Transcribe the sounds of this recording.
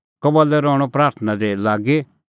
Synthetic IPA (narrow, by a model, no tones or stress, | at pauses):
kɔbɔlːɛɾɔːɽ̃ɔpɾaːɾt̪ʰnad̪elaːɡe